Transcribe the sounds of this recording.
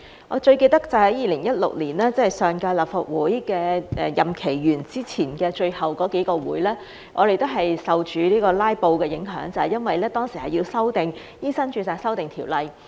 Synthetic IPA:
ʔɔ̰ː˨˧t͡ʃɵ˧ɥke˧jt̪ɐ˥k̚t͡sɐ˨˩hɐ˨˥jiː˨˧lɪ˨˩ŋjɐ˥t̚lʊ̰˨k̚liː˨˩naː˥t͡sɐ˧˥hɐ˨˩jsœː˨ŋkaː˧jlɐː˨p̚fa˨t̚wuː˨˥jkɛː˧ʔɛ̰˨jɐ˨mkʰe˨˩jjyː˨˩nt͡siː˥t͡sʰiː˨˩nkɛː˧t͡ʃɵ˧ɥhɐ˨wkɔː˨˧˥ke˨˥jkɔː˧wṵː˨˥jlɛː˥ | ŋʔɔ̰ː˨˧ɾe˨˧jt̪o˥ɦɐ˨jsɐ˨wt͡ʃyː˨˧liː˥kɔː˧laː˥jpo˧wkɛː˧jɪ˨˥ŋɦœː˨˥ŋt͡sɐ˨hɐ˨˩jɐ˥nwɐ˨jlɛː˥t̪ɔː˥ŋsiː˨˩hɐ˨jiː˧wsɐ˥wt̪ɪ˨ŋ | jiː˥sɐ˥nt͡ʃyː˧saː˨˧jsɐ˥wt̪ɪ˨ŋt̪ʰiː˨˩wlɐ˨˧j

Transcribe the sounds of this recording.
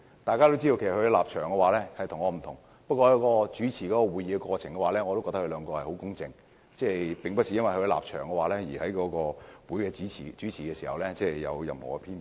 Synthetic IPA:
t̪aː˨˧kaː˥t̪wt͡si˥to˧ke˨˩skʰɵ˧laː˨p̚t͡ʃʰœː˨˩ŋkɛ˧waː˨˧˥lɛː˥hɐ˨jt̪ʰʊ˨˩ŋɔː˨˧m̩˨˩t̪ʰʊ˨˩ŋ | pɐ˥t̚kʷɔː˧jɐ˧wkɔː˧t͡ʃyː˨˥t͡sʰiː˨˩kɔː˨˥kɔː˧wuː˨˧jiː˨˧kɛ˧kɔː˧t͡sʰɪ˨˩ŋkɛ˧waː˨˧lɛː˥ŋɔ˨˧t̪o˥wkɔː˧tɐ˥hʰlœː˨˧ŋkɔː˧hɐ˨˩jho˨˥wkʊ˥ŋt͡sɪ̰˨ŋ | t͡sɛː˥˧˩pɪ˨ŋpɐ˥t̚si˨˧jɐ˥nwɐ˨jhɵ˧la̰ː˨p̚t͡ʃʰœ̰ː˨˩ŋkɛ˧waː˨˧lɛː˥jiː˨˩hɐ˨˥jkɔː˨˥kɔː˧wuː˨˥jkɛː˧t͡siː˨˥t͡sʰiː˨˩t͡ʃyː˨˥t͡sʰiː˨˩kɛ˧siː˨˩hɐ̰˨wlɛː˥t͡sɛː˥˧jɐ̰˨˧wjɐ̰˨mho̰˨˩kɛ˧pʰiː˥n

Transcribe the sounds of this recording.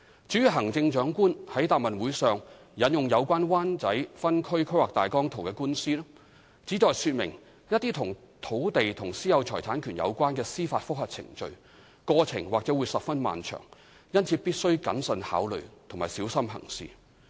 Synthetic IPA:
t͡syː˨˥y˨ɦɐ˨˩ŋt͡sɪ˧ŋt͡ʃœː˨˥ŋkuː˥nhɐ˨˥jt̪aː˨p̚mɐ˨nwu˨˥jsœː˨ŋ | jɐ˨˥njʊ˨ŋjɐ˨˧wkʷaː˥nwaː˥nt͡sɐ˨˥jfɐ˥nkʰɵ˥ɥkʰɵ˥waː˨k̚t̪aː˨jkɔː˥ŋt̪ʰo˨˩wkɛː˧kuː˥nsiː˥lɛ˥ | t͡siː˨˥t͡sɔː˨jsyː˧t̚mɪ̰˨˩ŋ | jɐ˥t̚t̪iː˥t̪ʰʊ˨˩ŋ | t̪ʰo˨˧˥wt̪e˨jt̪ʰʊ˨˩ŋsiː˥jɐ˨˧wt͡ʃʰɔ̰ː˨˩jt̪ʰaː˨˥nkʰyː˨˩njɐ̰˨˧wkʷaː˥nkɛː˧siː˥faː˧t̚fʊ˥k̚hɐ˨t̚t͡sʰɪ̰˨˩ŋt͡ʃɵ˨˧ɥ | kɔː˧t͡sʰɪ̰˨˩ŋwaː˨k̚t͡sɛː˨˥wuː˨˧jsɐ˨p̚fɐ˥nma̰ː˨nt͡ʃʰœ̰ː˨˩ŋ | jɐ˥nt͡sʰi˨˧˥pi˥t̚sɵ˥ɥkɐ̰˨˥nsə˧nha̰ː˨˥wlɵ˨ɥt̪ʰʊ˨ŋmaː˨˩jsiː˨˥wsɐ˥mɦɐ̰˨˩ŋsḭː˨

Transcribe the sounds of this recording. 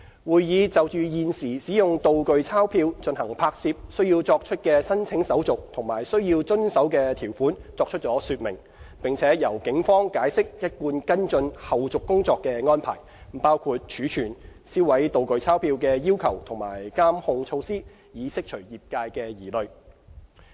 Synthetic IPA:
wuː˨˧jjiː˨˧t͡sɐ˨wt͡ʃyː˨jiː˨nsiː˨˩siː˨˥jʊ˨ŋt̪o˨wkɵ˨˧ɥt͡sʰaː˥wpʰiː˧wt͡ʃɵ˧nhɐ˨˩ŋpʰaː˧k̚siː˧p̚sɵ˥ɥjiː˧wt͡sɔː˧k̚t͡ʃʰɵ˥t̚kɛː˧sɐ˥nt͡sʰɪ˨˥ŋsɐ˨˥wt͡sʊ˨k̚t̪ʰʊ˨˩ŋma̰ː˨˩jsɵ˥ɥjiː˧wt͡sɵ˥nsɐ˨˥wkɛː˧t̪ʰiː˨˩wfuː˨˥nt͡sɔː˧k̚t͡ʃʰɵ˥t̚t͡sɔː˨˥syː˧t̚mɪ̰˨˩ŋ | pɪ˨ŋt͡sʰɛː˨˥jɐ˨˩wkɪ˨˥ŋfɔː˥ŋkaː˨˥jsɪ˥k̚jɐ˥t̚kuː˧nkɐ˥nt͡ʃɵ˧nhɐ˨wt͡sʊ˨kːʊ˥ŋt͡sɔː˧kːɛː˧ŋɔː˥npʰa̰ː˨˩j | m̩˨˩paː˥wkʰuː˧t̚t͡ʃʰyː˨˥t͡ʃʰyː˨˩nsiː˥wɐ˨˥jt̪o˨wkɵ˨ɥt͡sʰaː˥wpʰiː˧wkɛː˧jiː˥wkʰɐ˨˩wt̪ʰʊ˨˩ŋma̰ː˨˩jkaː˥mhʊ˧ŋt͡sʰo˧wsiː˥ | jiː˨˥sɪ˥k̚t͡ʃʰɵ˨˩ɥjiː˨p̚kaː˧jkɛː˧jiː˨˩lɵ˨ɥ

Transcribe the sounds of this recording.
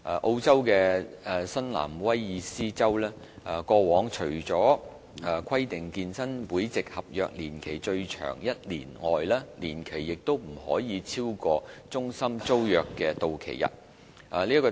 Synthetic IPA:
ʔa˨˩ʔo˧wt͡sɐ˥wkɛː˧˨sɐ˥nla̰ː˨˩mwɐ˥jːiː˨˧siː˥t͡sɐ˥wlɛː˥ | a˨˩kɔː˧wɔː˨˥ŋt͡ʃʰɵ˨˩ɥt͡sɔː˨˥ | a˨˧kʷʰɐ˥jt̪ɪ˨˩ŋkiː˧nsɐ˥npuː˨˥jt͡sɪ˨k̚hɐ˨p̚jœː˨k̚liː˨˩nkʰe˨˩jt͡ʃɵ˧ɥt͡ʃʰœ̰ː˨˩ŋjɐ˥t̚lḭː˨˩nŋɔ̰ː˨jlɛː˥liː˨˩nkʰe˨˩jːɪ˨k̚t̪o˥wm̩˨˩hɔ̰ː˨˥jiː˨˧t͡sʰiː˥wkɔː˧t͡sʊ˥ŋsɐ˥mt͡so˥wjœː˨kːɛː˧t̪o˨wkʰḛ˨˩jjɐ̰˨˩t̚ | ʔa˨liː˥kɔː˧

